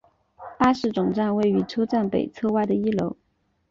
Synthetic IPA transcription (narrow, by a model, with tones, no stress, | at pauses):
ta˥ʂɻ̩˥˩ʈ͡ʂʊ˨˩ŋʈ͡ʂa˥˧nwe˥˩ɪy˧˥ʈ͡ʂʰɤ˥ʊʈ͡ʂa˥˩npe˨˩ɪt͡sʰɤ˥˧wa˥˩ɪd̪ə˩i˥lo˧˥ʊ